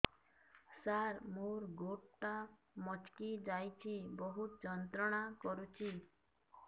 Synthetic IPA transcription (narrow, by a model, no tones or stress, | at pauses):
saɾmoɾɡoʈʈa | mɔt͡ʃkid͡ʒajt͡ʃʰibɔɦut̪d͡ʒɔnt̪ɾɔɽ̃akɔɾut͡ʃʰi